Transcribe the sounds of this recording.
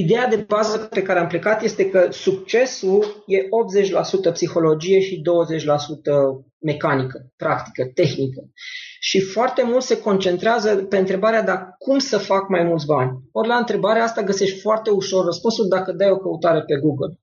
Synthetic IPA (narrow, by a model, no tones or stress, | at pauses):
id̪e̞jad̪e̞bazəppe̞kaɾeample̞kat̪je̞st̪e̞kəsukt͡ʃe̞sulje̞ʔo̞p̚t̪ze̞t͡ʃʲlasut̪əpsixo̞lo̞d͡ʒije̞ʃid̪o̞wəze̞t͡ʃʲlasut̪ə | me̞kanikəpɾakt̪i̥kət̪e̞xnikəʃifoart̪e̞mult̪se̞ko̞nt͡ʃe̞nt̪ɾeazəpe̞ɨnt̪ɾe̞baɾead̪akumsəfakmajmult̪sʲbanʲo̞ɾʲlaɨnt̪ɾe̞baɾeaast̪aɡəse̞ʃt̪ʲfoart̪e̞uʃo̞rːəspunsuld̪akəd̪ajo̞kəut̪aɾe̞pe̞ɡuɡəl